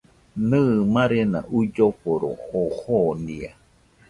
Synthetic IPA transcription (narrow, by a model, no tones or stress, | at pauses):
nɨmãɾenã̰ʔud͡ʒoɸoɾo̰ːhonia